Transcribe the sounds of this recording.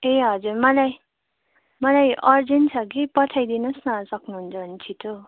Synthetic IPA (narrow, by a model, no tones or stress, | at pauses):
eɦʌd͡zurmʌlaj | mʌlajʌɾd͡zent͡sʰʌk̬ipʌtʰajd̪inʌsnʌsʌknuɦunt͡sʰʌbʱʌnt͡sʰit̪o